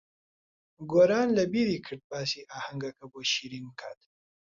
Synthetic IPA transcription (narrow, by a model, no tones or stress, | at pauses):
ɡoɾɑːnlabiɾikʰəʈ̚baːsiʔahaŋɡakaboʃiɾimkʰat̪